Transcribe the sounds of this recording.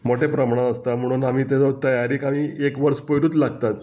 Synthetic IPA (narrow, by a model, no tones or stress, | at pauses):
moʈepɾəmaɳ̃ãəst̪am̤əɽ̃uːnamiːt̪at͡sɔt̪əjaɾiːkamiːekʋəɾspəjɾuːt̪laɡt̪at̪